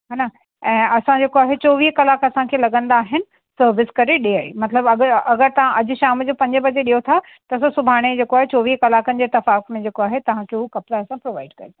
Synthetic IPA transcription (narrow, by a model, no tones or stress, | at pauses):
ɦaːna | ɛ̃ːɐsãd͡ʑeːkoaːɦet͡ɕoːʋiːɦkɐlaːkɐsãkʰeːlɐɡə̃nd̪aːɦɪnɪ̆ | sɐɾʋɪskɐɾeɗiaːḭmɐt̪ləbɐɡəɐɡəɾt̪ɐʋ̤ãʔɐd͡ʑʊ̆ʃaːmd͡ʑoːpɐ̃ɲd͡ʑəbɐd͡ʑeɗijot̪ʰa | t̪ɐs̬osʊbʱaːɽ̃ed͡ʑeːkoaːɦet͡ɕoːʋiːɦkɐlaːkənɪ̆d͡ʑeːɪt̪ːɐfaːkmẽd͡ʑeːkoaːɦet̪ɐʋ̤ãkʰeɦukɐpzaɐsãpɾoːʋaːɪɖkɐɾet̪ʰa